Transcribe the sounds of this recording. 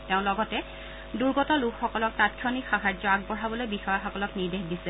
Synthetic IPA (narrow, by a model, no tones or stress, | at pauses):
teʊ̃lɔɡɔtɛ | duɹɡɔtɔlukxɔkɔlɔk̚tat̚kʰjɔnikxaɦaɹzɔaɡ̚bɔɹabɔlojbixɔjaxɔkɔlɔkniɹdexdisɛ